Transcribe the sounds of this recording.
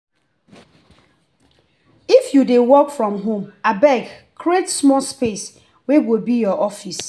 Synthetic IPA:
ifjudewɔkfɹɔ̃mɦõmabɛɡkʰɾietsmɔspes | wɛwilbijɔʔɔfis

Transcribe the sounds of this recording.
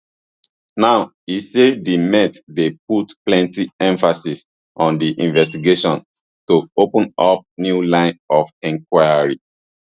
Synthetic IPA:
naʊ | isedimɛ̃tdep̚utplɛ̃ntiɛ̃ɱfasis | ʔɔ̃ndiʔĩnvɛstiɡeʃɔ̃n | toopə̃nɔp̚njulãɪ̃nɔfɛ̃ŋkwaɪaɹi

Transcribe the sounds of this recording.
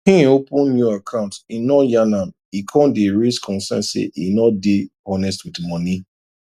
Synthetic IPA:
ĩopũnːjuakʰãʊ̃ntinɔjanãm | ikʰɔ̃ndeɹiskʰɔ̃nsɛ̰̃nsḛʔinɔdeɔnɛstwitmɔni

